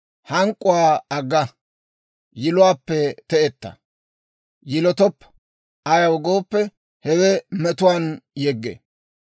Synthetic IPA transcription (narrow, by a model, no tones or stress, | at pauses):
hɐŋkʼːʊwaːɐɡːɐ | jɪlʊwaːpːɛt̪ɛʔɛt̪ːɐ̰ | jɪlɔt̪ɔpː | ɐjɐwɔɡoːpːɛ | hɛwɛmɛt̪ʊwaːnjɛɡːḛ